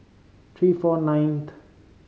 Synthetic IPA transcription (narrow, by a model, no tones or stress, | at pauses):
t̪ʰɹiːfɔnãjnt̪